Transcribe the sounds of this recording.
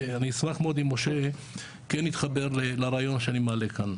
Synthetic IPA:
anismaχmeod̪imːoʃe | kenit̪χabeɾlelaɾaːjo̞nʃeanimealekan

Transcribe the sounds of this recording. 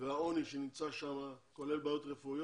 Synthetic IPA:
veaoniʃenimt͡saʃamakolelbaot̪ʁefuj

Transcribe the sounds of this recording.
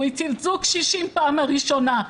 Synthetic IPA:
ijt͡sivzukʃiʃimpaamaʁiʃona

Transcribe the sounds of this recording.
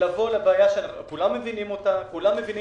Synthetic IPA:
lavo̞lebeːjaʃenkulamːe̞vinimo̞takulamːevini

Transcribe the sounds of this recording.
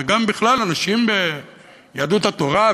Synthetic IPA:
ɡambiχlalanaʃimbe | jad̪ut̪hat̪o̞ʁa

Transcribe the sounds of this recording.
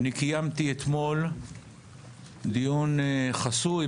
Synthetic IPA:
nikijamt̪iet̪mo̞l | d̪ijunχasu

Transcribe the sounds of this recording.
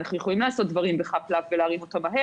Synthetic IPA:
naχnujeχolimlaːso̞t̚dvaʁimbeχaplavveleaʁimo̞tamaɦe

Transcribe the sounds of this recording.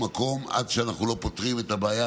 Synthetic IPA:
mako̞ma̰d̪ʃeanaχnulo̞pot̪ʁimet̪abeaja

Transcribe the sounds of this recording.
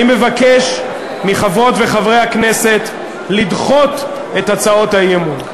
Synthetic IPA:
ime̞vake̞ʃ | miχavʁo̞t̪ve̞χavʁe̞jhakne̞se̞t | lidχo̞t̪ | e̞t̪at͡sao̞tajemun

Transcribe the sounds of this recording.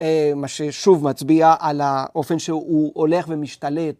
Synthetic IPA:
emaʃeʃuvmat͡sbiaʔalaʔo̞fe̞nʃeuole̞χvemiʃtalet̚

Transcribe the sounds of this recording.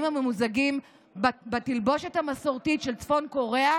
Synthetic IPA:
mame̞muzaɡim | batilbo̞ʃethamaso̞ʁtitʃelt͡sfo̞nko̞ʁe̞a

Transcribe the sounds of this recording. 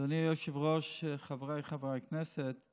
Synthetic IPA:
ɔnijɔʃevʁɔʃχavʁajχavʁajknɛsɛt̪

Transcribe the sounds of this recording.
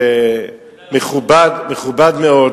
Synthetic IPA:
e | meχubad̪meχubad̪meod

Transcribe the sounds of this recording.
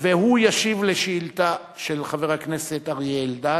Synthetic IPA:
vehujaʃivleʃiilt̪a | ʃelχaveʁhakneset̪aʁjeld̪a

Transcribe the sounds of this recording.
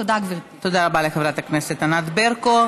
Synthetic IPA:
od̪aɡvi | t̪od̪aʁabalexevʁat̪akneset̪anad̪beʁko

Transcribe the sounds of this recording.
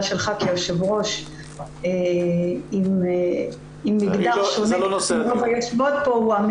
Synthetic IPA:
ʃelχakiaʃevʁo̞ʃ | e | im | imːiɡd̪aʃonlonosovajeʃmod̪̚pouam

